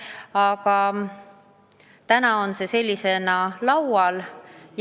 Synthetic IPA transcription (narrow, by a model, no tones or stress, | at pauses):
ɑɡɑ | t̪ænɑo̞nse̞se̞lʲːise̞nɑlɑwɑlj